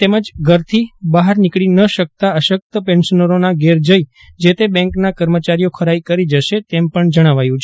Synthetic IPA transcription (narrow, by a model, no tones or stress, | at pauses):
t̪eməd͡ʒɡʱəɾt̪ʰibaɦaɾnikɭinəʃək̚t̪aəʃək̚t̪əpɛ̃nʃənəɾonaɡeɾd͡ʒəj | d͡ʒet̪ebɛ̃ŋknakəɾmət͡ʃaɾijokʰəɾaikəɾid͡ʒəʃet̪empəɳd͡ʒəɽ̃aʋajũt͡ʃʰe